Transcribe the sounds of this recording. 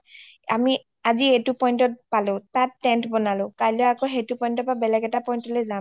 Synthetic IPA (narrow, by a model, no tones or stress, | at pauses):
a̰mi | azietupɔjntɔt̚palʊ̃tatːɛntbɔnalʊ̃kajlɔakoɦetupɔjntɔpabɛlɛɡɛtapɔjntɔlojza